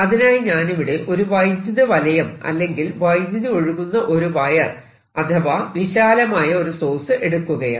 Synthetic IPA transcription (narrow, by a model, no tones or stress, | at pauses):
ɐðinaːjɲaːniʋiɽeʔo̞ɾuʋɐjd̪jɐðɐʋɐlɐjɐmɐ̰lːe̞ŋɡilʋɐjd̪jɐðio̞ɻuɣunːɐʔo̞ɾuʋɐjɐ | ɐt̪ʰɐʋaːʋiɕaːlɐmaːjɐoɾuso̞ːsɨʔe̞ɽukːuɣɐja̰ː